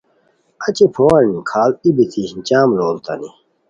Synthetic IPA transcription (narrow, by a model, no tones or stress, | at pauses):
ɐt͡ɕipʰoːwɐnikʰaːlibit̪ʰiɕnt͡ɕaːmloːlt̪ɐ̰ni